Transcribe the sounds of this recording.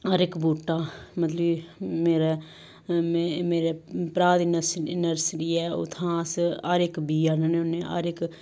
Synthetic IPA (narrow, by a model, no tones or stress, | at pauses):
aːɾɪkbuːʈːaːmət̪ləmeːɾe | mmeːɾepɾaːd̪ɪnsɪnəɾsʈiːɛːʊ̰t̪ʰãːsaɾɪkbiːanənẽʊneʔa̰ɾɪk